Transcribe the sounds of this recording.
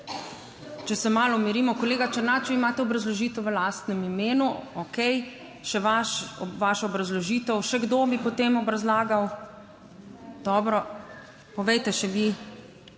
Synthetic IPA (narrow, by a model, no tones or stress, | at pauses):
t͡ʃɛsɛmaːlɔmiɾimɔkɔleːɡat͡ʃəɾnaːt͡ʃɛimaːt̪ɛɔbɾazlɔʒiːt̪ɛwʋəlaːst̪nɛmimeːnuokɛj | ʃɛʋaʃʋaːʃɔɔbɾazlɔʒiːt̪ɛwʃɛɡd̪obipɔt̪eːmɔbɾazlaːɡaw | d̪ɔːbɾɔ | pɔʋɛjt̪ɛʃɛʋi